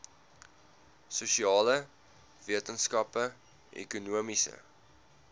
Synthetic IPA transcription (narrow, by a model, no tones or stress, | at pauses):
suʃiɑːlə | viətənskɐpə | ʔɛ̰kunuəmisə̰